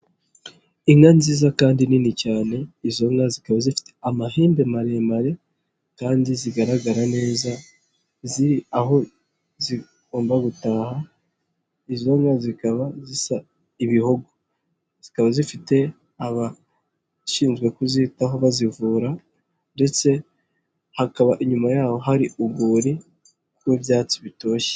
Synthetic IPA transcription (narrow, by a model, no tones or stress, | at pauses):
iŋanziːzakaːndininicaːne̞izo̞ŋazikaβazifi̥teamaheːmbe̞maɾe̞maɾe̞ | kaːndiziɡaɾaɡaɾane̞ːza | ziɾiaɦo̞ | zi | ɡ̥o̞ːmbaɡutaːha | izo̞ŋɡazikaβazisa | iβihuɡo | z̥ikaβazifite̞ | aβa | ʃiːnzɡwe̞kuzitaɦoβazivuːɾa | nde̞t͡se̞ | hakaβaʔiɲumajaːho̞ɦaɾiuɡuːɾi | wiβjaːt͡siβito̞ːʃe̥